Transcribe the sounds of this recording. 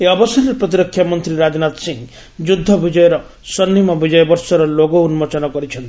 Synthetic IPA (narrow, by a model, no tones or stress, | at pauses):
eɔbɔsɔɾiɾɔpɾɔt̪̬iɾɔkʰjamɔnt̪ɾiɾad͡ʒɔnat̪siŋ | d͡ʒud̪ʱːɔbid͡ʒɔjɔɾɔ | sɔnːimɔbid͡ʒɔjɔbɔɾsɔɾɔloɡɔunmɔt͡ʃɔnɔkɔɾit͡ʃʰɔnt̪i